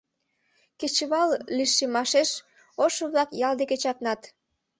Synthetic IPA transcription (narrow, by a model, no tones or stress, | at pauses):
ket͡ɕəβɑlliʃemɑʃeʃ | oʃoβlɑkjɑld̪eket͡ɕɑknɑt̪